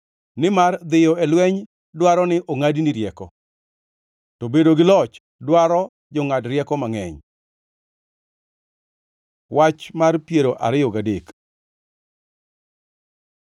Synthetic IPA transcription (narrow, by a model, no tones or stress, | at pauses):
nɪmard̪ɪjɔɛlwɛɲ | dwaɾɔnɪʔoŋadiniɾjɛkɔ | tɔbedoɡɪlɔt͡ʃ | dwaɾɔ | d͡ʒɔŋadɾjɛkɔmaŋɛ̰ɲ | wat͡ʃmarpjeɾoʔa̰ɾɪjɔɡadek